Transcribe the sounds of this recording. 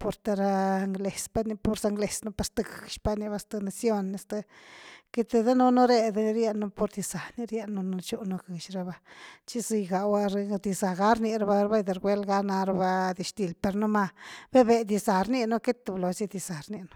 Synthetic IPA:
po˧ɾt̪a˧ɾa˧ŋɡle˨spa˦ni˧po˧ɾsa˧ŋɡle˨sno˧pa˧st̪a˧ɡʃpa˧ni˧ba˧st̪a˧na˧sjo˦nːi˧st̪a˧ke˦t̪e˧d̪e˦no˦no˦ɾe˧d̪ɾje˦no˧po˧ɾd̪i˧za˨ni˧ɾje˦˧nːo˧no˧t͡ʃu˦no˧ɡɨ˨ʃɾa˧ba˧t͡ʃi˦zi˧jɡa˨wa˦ɾd̪i˧za˨ɡa˦ɾni˧ɾa˧ba˧ɾba˦jd̪e˨ɾɡʷe˦lɡa˦na˧ɾa˧ba˧d̪i˧ʃt̪i˨lpe˧ɾno˦ma˧be˦be˧d̪i˧za˨ɾni˦˧no˦ke˦t̪e˨blo˨zi˦d̪i˧za˨ɾni˧no̥˧˦

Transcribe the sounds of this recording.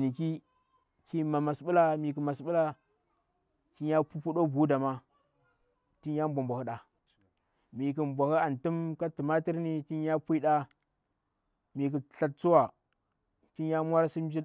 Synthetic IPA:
ni˨ki˦ | ki˦ma˨ma˨sɓu˦la˦mi˨k̬u˨ma˨sɓu˦la˦ | t͡ʃi˦a˦pu˦pu˦ɗo˦bu˦da˨ma˦ | ti˦n˦ja˦m˦bʷa˨mbʷa˨hu˦ɗa˨ | mi˨k̬u˨mbʷa˨hi˦a˨ntu˦mka˦ti˨ma˦ti˦ɾni˨ti˦nja˦pʷi˦ɗa˦ | mi˨k̬u˨ɬa˦t̚t͡su˦wa˨ | ti˦a˦mʷ˦a˦ɾsi˦m˦d͡ʒi˦

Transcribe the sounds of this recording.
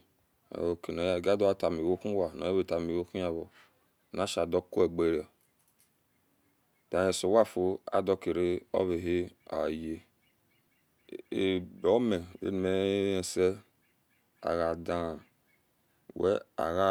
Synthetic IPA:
a̰˨o˨ke˨no˨ja˦˨ɡa˦do˦a˦˨ta˨mi˨wo˦ku˦wa˨no̰˨ja˦βe˨ta˨mi˨wo˦ku˦a˨βo˨ | na˦ʃa˨do˦ko˦e˨ɡ͡be˦ɾa˨ | dã˨je˨so˨wa˦˨fo˦a̰˦do˦ke˨ɾe˦o̰˦βe˨ɦe˦a̰˨je˦ | e˨bo˨o˦me˨ḛ˦n˨me˨˦e˨se˦ | a̰˨ɣa˨da˦˨ | wḛ˦a̰˨ɣa˦

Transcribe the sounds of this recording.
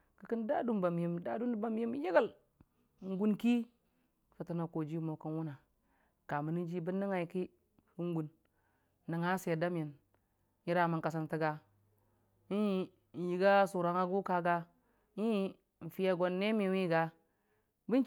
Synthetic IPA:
ki˦ki˦nda˦du˦nba˨m˨i˨mda˦du˦n˦ba˨m˦ji˦m˦ji˦ɡa˦˨l | ŋ̩˦ɡu˦nki˦˨ | fə˨ti˨na˨ko˨d͡ʒi˦mo˨kə˦nwu˦na˨ | ka˨mə˨ni˦d͡ʒi˦bə˦nːi˦ŋa˨i˨ki˦ | ku˦ŋ˦ɡu˨nː˦ | ə˨ŋa˦se˨da˦m˦ji˨n | ji˦ɾa˨ma˨ŋka˨s̬a˦nti˦ɡa˨ | i˦˨ | n̩˨ji˨ɡa˦su˨ɾa˨ŋa˦ɡu˦ka˦ɡa˦ | ɲi˦ | n̩˨fi˦ja˦ɡo˨nːe˦m˦i˨wi˦ɡa˦ | bi˦n˦

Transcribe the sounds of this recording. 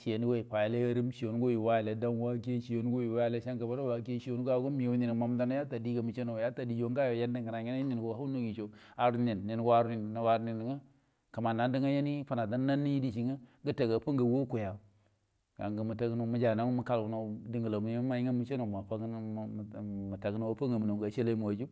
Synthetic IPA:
ʃi˨je˨ni˦we˦i˨pa˨ja˨le˦ja˦ɾi˦mʃi˨jo˨n˦ɡo˦i˨wa˦jle˨da˦n˦wa˦k̬e˦ʃi˨jo˨˦n˦ɡo˦ji˨wa˦ja˨le˦ʃa˦ŋka˨ba˦ɾa˦wa˨˦k̬e˦ʃi˦jo˦n˦ɡa˨ɡu˦mi˨jo˨˦ni˨n˨ma˨m˦da˦na˦ja˦ta˨di˦ɡa˨mu˨t͡ʃe˦no˨ja˦ta˨di˨d͡ʒo˦ŋɡa˦jo˨je˦n˦di˦ŋɡə˨na˨ŋi˦na˦ni˨n˨ɡo˨ha˦no˦ɡi˨t͡ʃo˨a˨ɾu˦ni˨nːi˨n˨ɡu˦a˦ɾu˦ni˨n˨na˨wa˦ɾni˨ndi˨˦ŋa˦ | ka˨ma˨nda˨˦ndi˦ŋa˦je˦ni˦pa˨na˨da˦nː˦a˦nːi˦i˦di˨t͡ʃi˨ŋa˦ɡə˦ta˨ɡa˨pa˦ŋɡa˨wo˦ku˨ja˨ | ɡ̥a̰˨ŋɡə˨mu˨ta˦ɡə˦no˨˦mu˦d͡ʒa˨na˨˦mu˦ka˦lɡu˨no˨di˨ŋɡə˨la˨mu˨˦ma˦ji˦ŋa˦mu˦t͡ʃe˦no˨ma˨pa˦ɡmu˨ta˨ɡi˦n˦wa˦pa˦ŋa˨mu˨no˨ɡa˨ʃe˦la˦i˦m˨a˨d͡ʒu˦

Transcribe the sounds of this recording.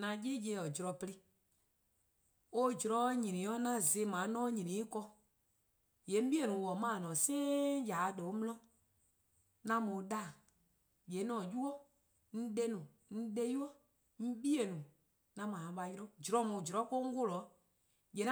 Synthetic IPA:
nã˧je˦je˧˦˨ɔ˨d͡ʒɾɔ˨pli˦ | o˦d͡ʒɾɔ˨˦ɲĩ˨ĩ˨˦ɔ˦nã˦˨ze˨˦mãː˨˦nɔ̃˦ɲĩ˨nĩ˨i˦kɔ˧ | je˨˦m̩˦bi˦e˨nũ˨wɔ˨mãː˦˨nɔ̃˨seː˦ja˨dɛ˨o˦mlɔ̃˦ | nã˧mõ˨˦da˦˨ | be˨˦nɔ̃˨ju˦ɔ˦ | n̩˦de˦nũ˨ | n̩˦de˦ju˦ɔ˦ | m̩˦bi˦e˨nũ˨ | nã˧mã˨ã˨˦ɓa˧jɾɔ̃˦d͡ʒɾɔ̃˨˦mũ˨d͡ʒɾɔ˨˦ko˦ŋ̩˦ɡo˦˨lɔ˨˦ | je˨n˦

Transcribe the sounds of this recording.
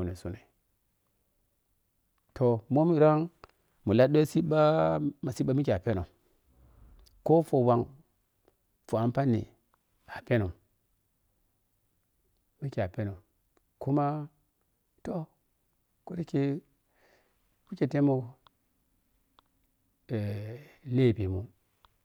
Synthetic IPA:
u˨ne˨su˦ne˨ | tʰo˨mo˦mi˨ɾa˦ŋ | mu˨la˦do˦si˦ba˦ma˨si˦ɓa˦mi˦ki˨a˨pe˦no˨m | ko˦fo˨wa˨ŋ | fo˨a˨m˦pa˦nḭ˨ | a˨pe˦no˨m | mi˦ki˨a˨pe˦no˨ | ku˦ma˦ | to˦ | ku˦ɾi˦ke˦ | ku˦ke˨te˦mo˨ | e˨le˦˨pe˨mu˦

